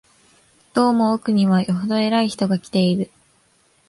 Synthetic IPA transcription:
d̪̥o̞ːmo̞ːkɯ̟ɲ̟iβajoɦod̪o̞e̞ɾaiçi̥t̪o̞ɡakʲi̥t̪e̞iɾɯ̟

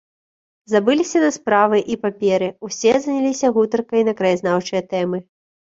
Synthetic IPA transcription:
zabɨlʲisʲɐnɐspɾavɨʔipapʲɛɾɨwsʲɛzɐnʲalʲisʲɐɣut̪ɐrkɐjnɐkɾɐjaznawt͡ʂɨjɐt̪ɛmɨ

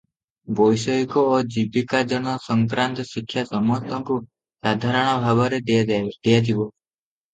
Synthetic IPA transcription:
bɔjsɔikɔːd͡ʒibikad͡ʒɔɽ̃ɔsɔŋkɾant̪ɔsikʰːjasɔmɔst̪ʰɔŋku | sad̪ʱaɾɔɽ̃ɔbʱabɔɾed̪̥ejad͡ʒ̪ʰibɔ

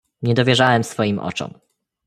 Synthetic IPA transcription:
ɲɛd̪ɔvʲjɛʐawɛmsfɔjimʔɔ̰t͡ʂɔ̰m

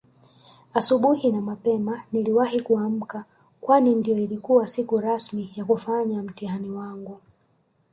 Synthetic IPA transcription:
asuɓuhinamapɛmaniliwahikuam̩ka | kwanindijɔilikuwasikuɾasmijakufaɲam̩tihaniwaŋɡu

